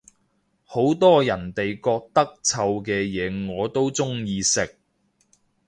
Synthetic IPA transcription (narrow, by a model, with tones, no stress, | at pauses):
ho˨˥wt̪ɔː˥jɐ˨˩nt̪e˨jkɔː˧k̚t̪ɐ˥k̚t͡sʰɐ˧wkɛː˧jɛː˨˧ŋɔː˨˧t̪o˥wt͡sʊ˥ŋjiː˧sɪ˨k̚